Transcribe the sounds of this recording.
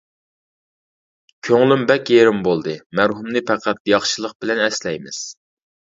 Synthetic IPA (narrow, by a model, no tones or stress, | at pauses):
kʲʰøŋlymbɛkʲjeɾɪmbolˠd̪ɨmæɾɦumnɨpʰæqʰæt̪̚jɑχʃɨlˠəq̚b̥ɪlɛnɛslɛjmɪz̥